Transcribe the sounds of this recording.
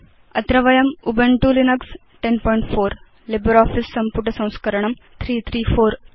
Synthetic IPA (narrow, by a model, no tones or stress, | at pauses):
ɐt̪ɾɐʋɐjɐmubɐɳʈulinɐks | ʈenpɔːiɳʈfoːɾ | lebɐɾɔːfisːɐmpuʈɐsɐ̃w̃skɐɾɐɳɐm | t̪ʰɾiːt̪ʰɾiːfoːɾ